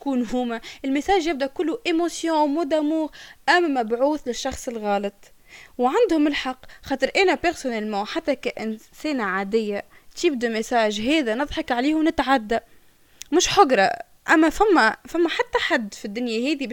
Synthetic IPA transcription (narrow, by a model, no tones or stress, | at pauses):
kuːnɦuːmæʔɪlmɪsaːʒjɪb̚d̪æʔkʊlːuʔemosjõːmʊd̪æmuːɣʔæmmæbʕuːθlɪʃːɑxsˤɪlɣɑːlɑt̪ˤ | wʕand̪hʊmɪlħɑqːxɑːt̪ˤɨɾʔɛːnæpɪɾsʊnælmoːħat̪ːakæʔɪnseːnaʕaːd̪ɪjːa | t̪ibd̪umɪsaːʒɦɛːðænɨðˤħɑkʕaleːhwnɪt̪ʕad̪ːa | mʊʃħʊɡɾˤɑ | ʔæmːæfæmːæfæmːæħat̪ːaħad̪ːfid̪ːʊnjahɛːði